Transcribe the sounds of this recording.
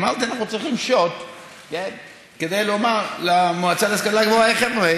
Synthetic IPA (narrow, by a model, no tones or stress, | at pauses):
maʁt̪ianaχnut͡sʁiχimʃot̪ | ken | ked̪ejlomaʁlamoat͡saleskalaɡvoaeχevve